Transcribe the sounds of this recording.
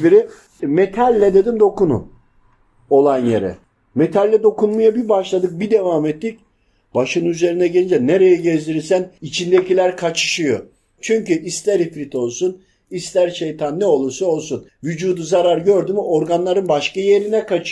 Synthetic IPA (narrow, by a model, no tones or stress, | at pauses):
biɾi | met̪ʰalʲːɛd̪e̞d̪imd̪o̞kunṵn | o̞lˠanjḛɾɛ̰ | met̪ʰalʲːɛd̪o̞kunmajabibaʃlˠad̪ɯk̚bid̪evamɛt̪ːic̚ | b̥aʃɯnyze̞ɾinɛɟelʲind͡ʒɛnːeɾejɛɟezd̪iɾisænit͡ʃʰind̪ecʰilʲæɾkʰat͡ʃʰɯ̥ʃɯjo | t͡ʃʰyɲcyʔist̪ʰɛɾifɾit̪ʰo̞lˠsun | ist̪ʰæɾʃe̞jt̪ʰanːɛo̞lˠuɾsuo̞lˠsunvyd͡ʒuːd̪uzaɾaɾɟø̞ɾd̪ymo̞ɾɡanlˠaɾɯnbaʃkajeɾinɛkʰat͡ʃʰ